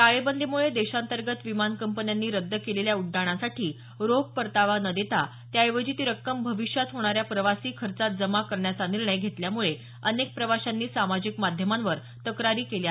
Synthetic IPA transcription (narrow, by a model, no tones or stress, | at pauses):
t̪aɭebənd̪ʱimuɭed̪eɕant̪əɾɡət̪ʋimankəmpənjanːiːɾəd̪ːəkeleljauɖːaɽ̃asaʈʰiː | ɾoɡ̚pəɾt̪aʋanəd̪et̪a | t̪jajʋəd͡ʑit̪iɾəkːəmbʱəʋiʂjat̪ɦoɽ̃aɾjapɾəʋasiːkʰəɾt͡sat̪̚d͡zəmakəɾɳjat͡saniɾɳəjɡʱet̪ljamuɭe | ənek̚pɾəʋaɕanːiːsamad͡ʑikmad̪ʱjəmanʋəɾ | t̪əkɾaɾiːkelja